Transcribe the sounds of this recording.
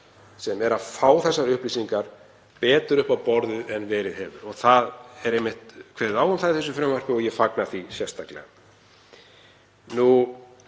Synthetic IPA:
sɛmɛɾaðfaːwθɛsːaɾʏhpliːsiŋkaɾ | pɛːt̪ʏɾʏhpawpɔɾðʏɛnvɛːɾɪðhɛvʏɾɔɣθaðɛɾejmːɪht̪kʰvɛːɾðaːwʏmθaðɪθɛs̬ʏfɾɛmvœɾ̥pɪɔɣjɛfaknaθisjɛrst̪aklɛ̰ɣa̰ | nu

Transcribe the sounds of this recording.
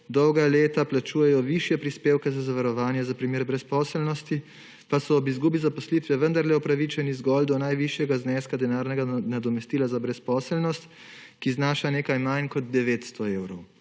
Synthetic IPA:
d̪ɔwɡaleːt̪aplat͡ʃuːjɛjɔʋiʃjɛpɾispeːwkɛzazaʋaɾɔʋaːnjɛzapɾimeːɾbɾɛspɔːsɛlnɔst̪i | pasɔːbizɡuːbizapɔslit̪ʋɛʋənd̪aɾlɛɔpɾaʋit͡ʃɛnizɡɔld̪ɔnajʋiʃjɛɡaznɛːskad̪ɛnaːɾnɛɡanad̪ɔmɛst̪iːlazabɾɛspɔːsɛlnɔst̪ | kiznaːʃaneːkajmajnkɔd̪d̪ɛʋeːt̪st̪ɔeːwɾɔw

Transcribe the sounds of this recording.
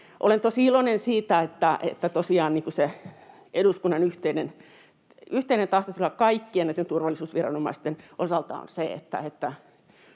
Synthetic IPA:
ʔo̰lent̪osiilonensiːt̪æet̪ːæḛt̪ːæt̪osiɑːnniːkuse | eɾuskunːɑnyht̪einen | yht̪einent̪ɑht̪osolːɑkkɑikːienæˑit̪ːent̪urʋɑlːˑisuːsʋirɑ̰nomɑ̰ist̪enʔosɑlt̪ɑ̰o̰nseḛt̪ːæ̰et̪ːæ

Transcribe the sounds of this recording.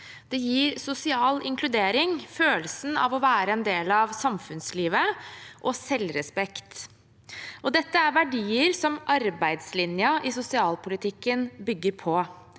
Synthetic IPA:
d̪̥ɛjiːɾsʊsɪɑːlɪ̰ŋkʰlʉd̪eːɾɪŋføːlsn̩ɑ̰ʋɔʋæːɾəɛnd̪eːlɑʋsɑmfʉnsliːʋəʔɔsɛlɾɛspɛkt̪ | ʔɔd̪ɛt̪ːəæɾʋæɖiːəɾsɔmʔɑɾbæɪd̪slɪnjəʔɪsʊsɪɑːlpʊlɪt̪ʰɪkːənbʏɡːəɾpʰɔ

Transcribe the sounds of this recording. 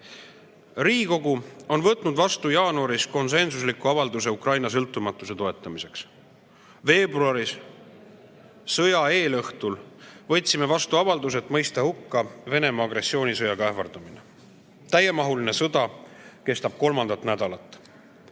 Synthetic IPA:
riːko̞ɡuo̞nvɤt̪ːˑnud̪vɑst̪ujɑːnuɑɾisko̞nse̞nsus̬likːuɑvɑld̪use̞ukrɑjnɑs̬ɤlt̪ːˑumɑt̪ːˑuse̞t̪o̞e̞t̪ˑːɑmise̞ks | ve̞ːbruɑɾis | sɤjɑeːlɤht̪ulvɤt̪ʲsime̞vɑst̪uɑvɑld̪us̬e̞t̪ːˑmɤjst̪ɑhukːɑve̞ne̞mɑːɡɾe̞sːio̞ːnisɤjɑɡɑævɑrd̪̥ɑmine | t̪æjːemɑɦuline̞sɤd̪̥ɑ | ke̞st̪ɑb̥̚ko̞lmɑnd̪ɑt̪næd̪̥ɑlɑt̪ːˑ

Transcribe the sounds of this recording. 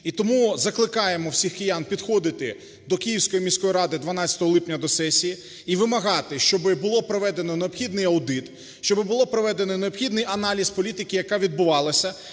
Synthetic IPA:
it̪ɔmuzɐklˠɪkɑjemɔwsʲixkɪjanpʲid̪xɔd̪ɪt̪ɪ | d̪ɔkʲijiwsʲkɔjimʲisʲkɔjiɾɑd̪ɪd̪ʋɐnɑt͡sʲɐ̥t̪ɔɦɔlˠɪpnʲɐd̪ɔsɛsʲiji | iʋɪmɐɦɑt̪ɪʃt͡ʃɔbɪbʊlˠɔpɾɔʋɛd̪enɔneɔpxʲid̪nɪjɐwd̪ɪt̪ | ʃt͡ʃɔbɪbʊlˠɔpɾɔʋɛd̪e̞nɔneɔpxʲid̪nɪjɐnɑlʲispɔlʲit̪ɪkʲɪjɐkɑʋʲid̪̚bʊʋɑlˠɐsʲɐ

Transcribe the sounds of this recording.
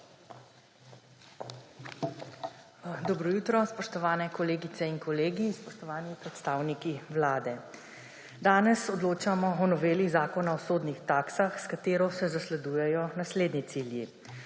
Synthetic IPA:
d̪ɔbɾɔjuːt̪ɾɔspɔʃt̪ɔʋaːnɛkɔleːɡit̪sɛinkɔleːɡispɔʃt̪ɔʋaːnipɾɛt̪st̪aːwnikiwlaːd̪ɛ | d̪aːnɛsɔd̪loːt͡ʃamɔɔnɔʋeːliɣzaːkɔnaɔsoːd̪nixt̪aːksaxskat̪eːɾɔsɛzaslɛd̪ujɛjɔnasleːd̪nit̪silji

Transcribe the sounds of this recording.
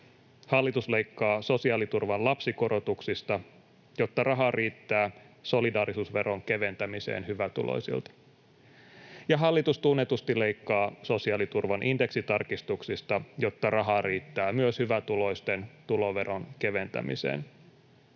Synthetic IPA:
hɑlːit̪uslejkːɑːso̞siɑlit̪urʋɑnlɑpsiko̞ɾo̞t̪uksist̪ɑ | jo̞t̪ːɑrɑɦɑriːt̪ːæː | so̞lidɑːɾisuːsʋe̞ɾo̞ŋke̞ʋe̞nt̪æmise̞̰ːnhyʋæt̪ṵlo̰jsḭlt̪ɑ̥ | jɑɦɑlːit̪ust̪unːet̪ust̪ile̞ikːɑːso̞siɑlit̪urʋɑnʔinde̞ksit̪ɑrkist̪uksist̪ɑjo̞t̪ːɑrɑɦɑriːt̪ːæːmyøshyʋæt̪ulo̞ist̪ent̪ulo̞ʋe̞ɾroŋke̞ʋe̞nt̪æ̰mḭsḛːn

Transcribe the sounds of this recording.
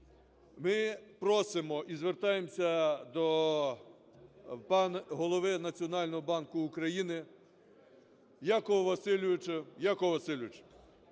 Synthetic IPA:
mɪpɾɔsɪmɔʔizʋert̪ɑjemsʲɐd̪ɔ | pɑnɦɔlˠɔʋɪnɐt͡sʲiɔnɑlʲnɔɦɔbɑnkʊːkɾɐjinɪ | jakɔɔʋɐsɪlʲʋɪt͡ʃɛjakɔɔʋɐsɪlʲʋɪt͡ʃɐ̥

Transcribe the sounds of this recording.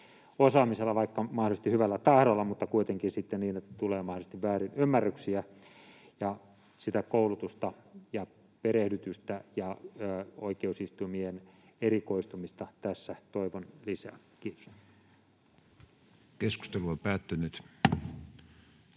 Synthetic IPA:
osɑːmiselːɑʋɑikːɑmɑhdolst̪ihyʋælːæt̪ɑhɾolːɑmut̪ːɑkuit̪eŋkinsit̪ːenniːnet̪ːæt̪uleːmɑhdolst̪iʋʋæːɾinymːærːyksiæ | jɑ | sit̪ækoulut̪ust̪ɑjɑ | peɾehdyt̪yst̪æjɑː | o̰ikeusist̪umienerikoist̪umist̪ɑt̪æsːæt̪oiʋonlisæː | kiːt̪o̥s | kesku̥st̪eluopæːt̪ːynyt̪

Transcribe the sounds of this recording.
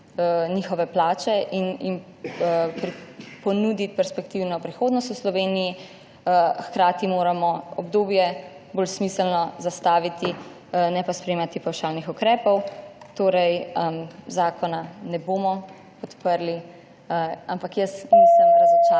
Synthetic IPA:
niːxɔʋɛplaːt͡ʃɛʔinim | pɾipɔnud̪it̪̚pɛɾspɛkt̪iwnɔpɾixoːd̪nɔst̪uslɔʋeːniji | əxkɾaːt̪imoːɾamɔɔbd̪oːbjɛ | boːlsmisəlnɔzast̪aːʋit̪i | nɛpaspɾɛjeːmat̪ipawʃaːlnixukɾɛːpɔwt̪oːɾɛjəmzaːkɔnanɛboːmɔ | pɔt̪pəɾli | əampakjəsmislɛmd̪asɛt͡ʃa

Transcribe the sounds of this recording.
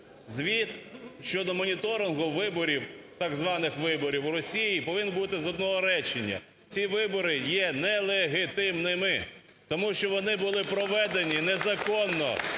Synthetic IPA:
zʲʋʲit̪ʃt͡ʃɔd̪ɔmɔnʲit̪ɔɾɪnɦʊʋɪbɔɾʲiwt̪ɑɡzʋɑnɪxʋɪbɔɾʲiwɾɔsʲijipɔʋɪnbut̪ɪzɔd̪̚nɔɦɔɾɛt͡ʃenʲːɐ̰ | t͡sʲiʋɪbɔɾɪjɛnɛlˠeɦɪt̪ɪmnɪmɪ | t̪ɔmuʃt͡ʃɔʋɔnɪbʊlˠɪpɾɔʋɛd̪enʲinɛzɐkɔnːɔ̰

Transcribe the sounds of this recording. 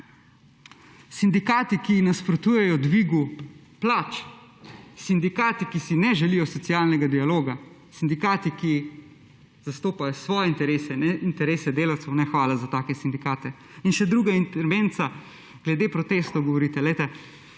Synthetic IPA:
sind̪ikaːt̪ikinaspɾɔt̪uːjɛjɔd̪ʋiːɡu | plaːt͡ʃ | sind̪ikaːt̪ikisinɛʒɛlijɔsɔt̪siaːlnɛɡad̪ialoːɡa | sind̪ikaːt̪iki | z̥ast̪oːpajɔsʋɔːjɛint̪ɛɾeːsɛnɛint̪ɛɾeːsɛd̪eːlawt̪sɛwnɛxʋaːlazat̪aːkɛsind̪ikaːt̪ɛ | inʃɛd̪ɾuːɡaint̪ɛɾʋent̪sa | ɡ̥lɛd̪eːpɾɔt̪eːst̪oɡɔʋɔɾiːt̪ɛlɛjt̪ɛ

